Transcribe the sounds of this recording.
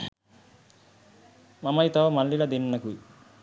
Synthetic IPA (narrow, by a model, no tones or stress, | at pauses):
mamajt̪amalːilad̪inːaku